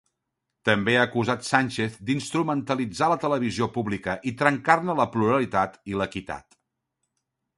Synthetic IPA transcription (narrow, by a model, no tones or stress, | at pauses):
t̪əmbeaːkuzat̪sanʲt͡ʃeθd̪inst̪ɾumənt̪əlid͡zalət̪ələβ̞iziopuβlikəʔit̪ɾəŋkarnələpluɾəlit̪at̪iləkit̪a̰t̪